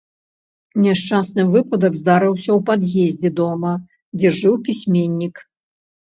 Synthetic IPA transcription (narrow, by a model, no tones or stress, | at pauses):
nʲɛʂt͡ʂasnɨvɨpɐd̪ɐɡzd̪aɾɨwsʲɐwpad̪jezʲd͡zʲɛd̪ɔmɐ | d͡zʲɛʐɨwpʲisʲmʲenʲːik